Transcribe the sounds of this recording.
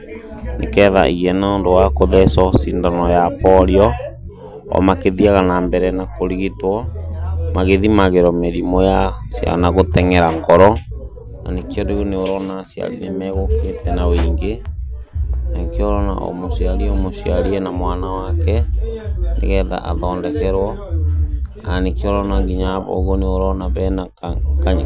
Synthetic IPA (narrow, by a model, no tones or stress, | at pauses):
nḛkɛːða̰ʔiɣɛnaondowakoðɛsɔsindanɔjapɔɾiɔ | ɔ̰makeðiaɣanambɛɾɛnakoɾiɣitwɔ | maɣeðimaɣeɾɔmeɾimɔjasja̰naɣotɛŋɛɾaŋɡɔɾɔ | na̰nekiɔɾeɣoneoɾɔnasia̰ɾinemɛːɣoketɛnaweːŋɡe | naŋkeɔɾɔna̰ʔo̰moʃiaɾiɛomoʃiaɾiɛnamwanawakɛ | nʔḛɣɛːða̰ʔa̰ðɔːndɛkɛɾwɔ | anekiɔɾɔnaŋɡiɲaβɔ̰o̰ɣoneoɾɔnaβɛna | kaɲi